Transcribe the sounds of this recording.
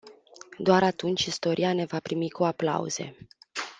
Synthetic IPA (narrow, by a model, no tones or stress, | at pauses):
d̪oaɾat̪unt͡ʃʲist̪o̞ɾʔiane̞vapɾimikuapla̰ṵz̥e̞̰